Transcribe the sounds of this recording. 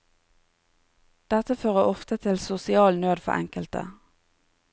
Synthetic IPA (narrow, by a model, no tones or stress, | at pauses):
d̪̥ɛt̪əføːʁəʔɔft̪ət̪ʰɪlsʊsɪɑːlnøːd̪fɔ̰ʔɛ̰ŋkəlt̪ə̰